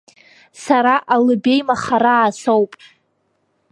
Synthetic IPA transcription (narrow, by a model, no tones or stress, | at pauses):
saɾaʔalɨbe̞jmaχaɾaːsowpʼ